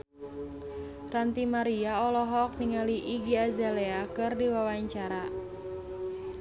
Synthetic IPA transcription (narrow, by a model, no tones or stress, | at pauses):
rant̪imaɾiaɔlɔɦɔːk̚niŋaliʔiɡiazaleakɨrdiwawaɲt͡ʃaɾa